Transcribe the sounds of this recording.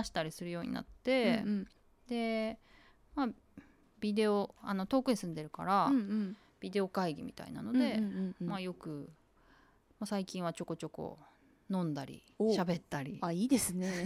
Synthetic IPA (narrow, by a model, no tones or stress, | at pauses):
aɕi̥t̪aɾʲisɨɾɯ̟jo̞ːɲ̟ḭna̰t̪ːe̞ | d̪e̞ | ma | bʲid̪e̞o̞ano̞t̪o̞ːkɯ̟ɲ̟isɨ̃nd̪e̞ɾɯ̟ka̰ɾã | b̥ʲid̪e̞o̞kaiɡʲimʲḭt̪a̰ḭna̰no̞d̪e̞majo̞kɯ̟ | masaikʲĩɰ̃at͡ɕo̞ko̞t͡ɕo̞ko̞̰ | nõ̞nd̪aɾʲḭ | ɕabe̞t̪ːaɾʲḭaiːd̪esɨne